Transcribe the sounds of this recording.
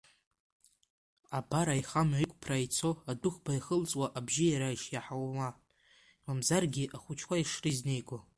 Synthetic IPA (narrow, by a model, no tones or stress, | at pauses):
abaɾaiχamaikʷʼpʰrajt͡sʰo̞adʊχʷbaiχəlt͡sʼwaʔabʒɪjaɾaiʃjaħawma | imamzarɡʲiʔaχʷʊt͡ʃʰkʷʰaiʂrizne̞jɡʷa